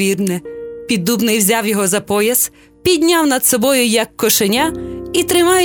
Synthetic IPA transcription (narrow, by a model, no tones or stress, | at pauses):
irnɪpʲid̪ːubnɪjwzʲɑwjɔɦɔzɐpɔjɐs | pʲid̪ʲnʲɑwnɐd̪sɔbɔjʊjɐkːɔʃenʲait̪ɾɪmɑjʊ